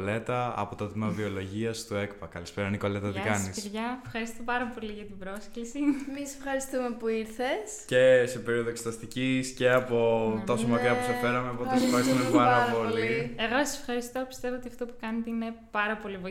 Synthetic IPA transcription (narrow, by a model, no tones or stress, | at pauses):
le̞t̪ɐɐ̰po̞t̪ot̪imɐvio̞lo̞ʝiɐst̪ue̞kpɐkɐlispeɾɐniko̞le̞t̪ɐt̪iɐkɐnsisiɾʝɐefxɐɾist̪opɐɾɐpo̞liʝɐt̪ibɾo̞sklisiemisefxɐɾist̪umepuiɾθes | ce̞se̞pe̞ɾio̞ðoekset̪ɐst̪icisce̞ɐpo̞t̪ɐosomɐviɐpusefe̞ɾɐmeɐpoesefxɐɾist̪umɐspɐɾɐpo̞llieɣosɐ̥sefxɐɾist̪o̞pi̥st̪e̞voot̪iɐft̪opu̥kɐnet̪eine̞pɐɾɐpo̞livɐ